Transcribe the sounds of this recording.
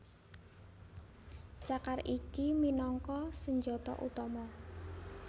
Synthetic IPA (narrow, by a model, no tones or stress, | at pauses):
t͡ʃakarikiminɔŋkɔsəɲd͡ʒɔt̪ɔ̰ʔṵt̪ɔmɔ